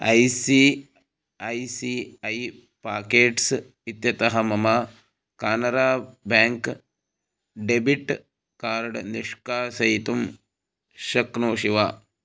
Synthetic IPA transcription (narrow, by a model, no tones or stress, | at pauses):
ɐ̰jsi | ɐjsiɐj | paːkeːʈs | it̪jɐt̪ɐɦɐmɐma | kaːnɐɾaːbaːŋk | ɖebiʈ | kaːɾɽniʂkaːsɐjt̪um | ʃɐknoːʃiʋaː